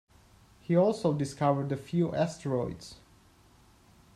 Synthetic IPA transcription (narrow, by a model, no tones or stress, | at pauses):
hiɔlˠsoʊdɪskʰʌvə˞dəfjuʔɛstɹɔɪdz̥